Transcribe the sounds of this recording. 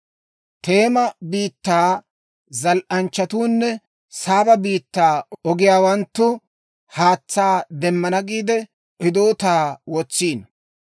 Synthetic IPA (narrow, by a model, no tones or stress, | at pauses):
t̪e̞ːmɐbiːt̪ːaː | zɐlʔɐnt͡ʃːɐt̪uːnːɛ | saːbɐbiːt̪ːaːʔɔɡɪjaːwɐnt̪ːʊ | haːt͡sːaːd̪ɛmːɐnɐɡiːd̪ɛ | ʔɪd̪oːt̪aːwɔt͡sːiːn